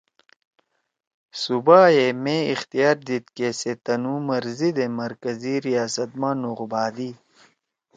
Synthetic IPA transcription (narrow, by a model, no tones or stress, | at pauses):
subaːemẽixt̪ijaːɾd̪it̪keːset̪ɐnũːmɐɾzid̪emɐɾkɐziɾijaːsɐt̪̚mãːnuʁbaːd̪i